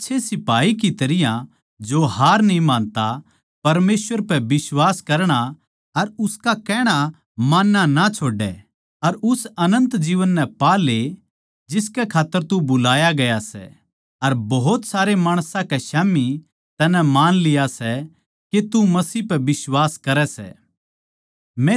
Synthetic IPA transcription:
tːʃʰesɪpaːikit̪ɐɾɪjã | d͡ʒoɦaːɾnĩmãːnt̪a | pɐɾmeːsʋəɾpɛbɪswaːskɐɾɽ̃a | ɐɾʊskakɛːɽ̃a | maːnːanat͡ʃʰoːɖɛ̰ | ɐɾʊsɐnə̃nt̪d͡ʒiːʋənːɛpaːle | d͡ʒɪskɛkʰaːt̪ːəɾt̪ubʊlaːjaɡɐjasɛ̰ | ɐɾbɐɦʊt̪saːɾemaːɽ̃sãkɛʃaːmi | t̪ɐnɛmaːnlɪjasɛ | ket̪umɐsiːpɛbɪswaːskɐɾɛsɛ̰ː | mɛ̃

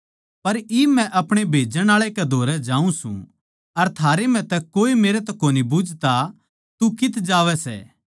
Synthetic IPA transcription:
pɐɾiːmɛ̃ʔɐpɽ̃ebʱeːd͡ʒəɽ̃aːɭekɛd̪ʱoːɾɛd͡ʒaːũsṵ̃ | ɐɾt̪ʰaːɾemɛ̃t̪ɛkoːimeːɾɛt̪ɛkoːnibʊd͡ʒʱt̪a | t̪ukɪt̪ʰd͡ʒaːʋɛsɛ̰ː

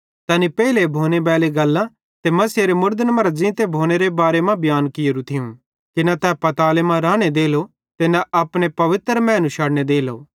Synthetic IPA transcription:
t̪ɐːnipɛːilebʱoːnebɛːleɡɐlːã | t̪emɐsɾemʊɾd̪ənmɐɾd͡ʒɪ̃ːt̪ebʱoːñeɾebaːɾemãbjaːnkɪjoɾũt̪ʰɪũ | k̪ɪnãt̪ɛpɐt̪aːlemãɾaːɽ̃ed̪eːlo | t̪enaʔɐpɽ̃epɐʋɪt̪ɾmɛ̃ːnũʃaːɽñed̪eːlo̰ː

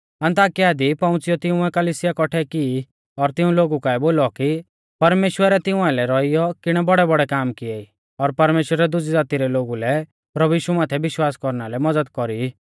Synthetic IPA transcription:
ɐ̃nt̪aːkijad̪ipɐ̃ʊ̃t͡sɪjɔt̪ɪũɛkɐliːsɪjakɔʈʰɛkiː | ɔɾt̪ɪũloːɡukaɛboːlɔki | pɐɾmeːʃwəɾɛt̪ɪ̃ũãlɛɾɔijɔkɪɽ̃ɛbɔɽɛbɔɽɛkaːmkɪɛi | ɔɾpɐɾmeːʃwəɾɛd̪ʊd͡zid͡zaːt̪iɾɛloːɡulɛ | pɾɐbujiːʃumaːt̪ʰɛbɪʃwaːskɔɾnalɛmɐd͡zəd̪kɔɾi

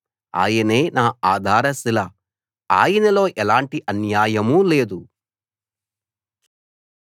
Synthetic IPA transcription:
a̰ːjɐne̞ːnaːaːd̪ʱaːɾɐsilɐ | a̰ːjɐnɐlo̞ːʔɛlaːɳʈiʔɐnjaːjɐmule̞ːd̪u

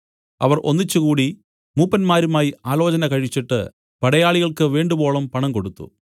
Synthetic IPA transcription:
ɐ̰ʋɐrʔonːit͡ɕːukuːɽi | muːpːɐnmaːɾumaːjiaːlo̞ːt͡ɕɐnɐkɐɻit͡ɕːiʈːɨ̰ | pɐɽɐjaːɭiɣɐɭkɨʋe̞ːɳɖubo̞ːɭɐmpɐɳɐmko̞ɽut̪ːṵ

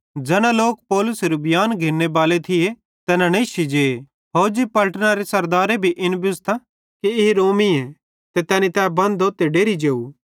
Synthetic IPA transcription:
d͡ʒɛːɽ̃ãloːkpɔːlʊsɾubjaːnɡʱeːnːebaːlet̪ʰɪje | t̪ɛːnãneːʃid͡ʒeː | ɦoːd͡ʒipɐlʈnaɾesɐɾd̪aːɾebʱiʔɪnbʊst̪ʰa | kiɪɦiɾoːmiɛ | t̪et̪ɛːnit̪ɛbɐ̃nd̪ot̪eːɖeːɾid͡ʒeːu

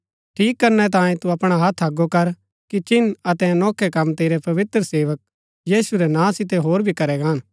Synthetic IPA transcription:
ʈʰiːkːɐɾnɛt̪̬ãːjẽt̪uɐpɽ̃aɦɐt̪ʰɦɐɡokɐɾ | kit͡ʃɪnɐt̪ɛnɔːkʰɛkɐmt̪eːɾɛpɐʋɪt̪ɾəseːʋək̚ | jiːsuɾɛnãːsɪt̪̬eɦoːɾbʱikɐɾɛɡãːn

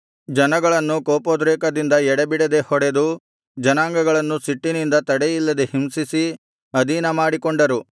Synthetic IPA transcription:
d͡ʒɐnɐɡɐɭɐnːukoːpoːd̪ɾeːkɐd̪ind̪ɐɛɽebiɽed̪e̞hɔɽed̪u | d͡ʒɐnaːŋɡɐɡɐɭɐnːusiʈːinind̪ɐt̪ɐɽejilːɐd̪ehimsisi | ɐd̪iːnɐmaːɽikɔɳɖɐɾu

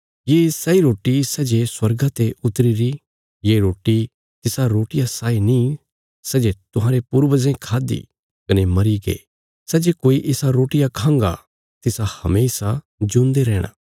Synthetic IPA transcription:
jeːsɛiɾoːʈisɛd͡ʒeswɐɾɡat̪eʊt̪ɾiɾi | jeːɾoːʈi | t̪ɪsaɾoːʈɪjasaːinĩ | sɛd͡ʒet̪ʊɦãːɾepuːɾʋəzẽkʰaːd̪ḭ | kɐnemɐɾiɡḛː | sɛd͡ʒekoːiʔɪsaɾoːʈɪjakʰãːŋɡa̰ | t̪ɪsahɐmeːsa | d͡ʒʊ̃nd̪eɾɛːɽ̃a̰ː

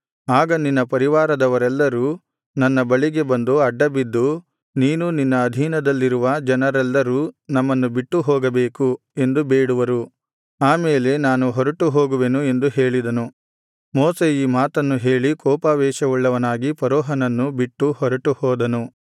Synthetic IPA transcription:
aːɡɐninːɐpɐɾiʋaːɾɐd̪ɐʋɐɾɛlːɐɾuː | nɐnːɐbɐɭiɡe̞bɐnd̪uɐɖːɐbid̪ːu | niːnuninːɐːd̪ʱiːnɐd̪ɐlːiɾuʋɐd͡ʒɐnɐɾɛlːɐɾuːnɐmːɐnːubiʈːuɦɔːɡɐbeːku | e̞nd̪ubeːɽuʋɐɾu | aːmeːle̞naːnuɦɔɾɐʈuɦoːɡuʋenue̞nd̪uɦe̞ːɭid̪ɐnu | mɔːseiːmaːt̪ɐnːuɦe̞ːɭikɔːpaːʋɛːʃɐʋuɭːɐʋɐnaːɡipɐɾɔːɦɐnɐnːubiʈːuhɔɾɐʈuhɔːd̪ɐnu

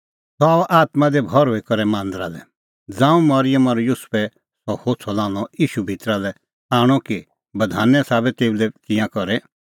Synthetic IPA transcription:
sɔaːʔaːt̪mãd̪ɛbʱɔɾɦoːikɔɾɛmãːnd̪ɾalɛ | d͡zãːũmɐɾɪjəmaɾɔjʊspɛ | sɔhoːt͡sʰɔlãːɔiːʃubʱit̪ɾalɛ | aːɽ̃ɔki | bɐd̪ʱaːnɛsaːbɛt̪eːulɛkɪjãkɔɾɛ

